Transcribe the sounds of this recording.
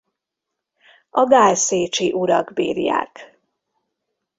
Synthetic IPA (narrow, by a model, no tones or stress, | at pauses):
ɒɡaːlseːt͡ʃiʔuɾɒɡbḭːrja̰ːk